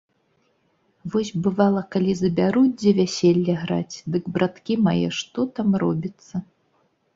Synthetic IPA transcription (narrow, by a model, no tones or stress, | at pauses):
vɔsʲbɨvalˠɐkalʲizɐbʲaɾudʲd͡zʲɛvʲasʲɛlʲːɐɣɾa̰t͡sʲd̪ɨɡbɾʔat̪kʲimajɛ̰ʂt̪ɔt̪amrɔbʲit̪sːɐ